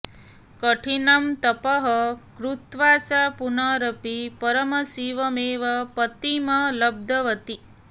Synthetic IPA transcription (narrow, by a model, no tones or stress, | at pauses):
kəʈʰinamt̪ɐpɐɦɐkɾut̪ʋat͡ʃapunaɾəpipəɾəmɐsiʋɐmeʋɐpət̪imɐləb̚d̪ʱəʋət̪i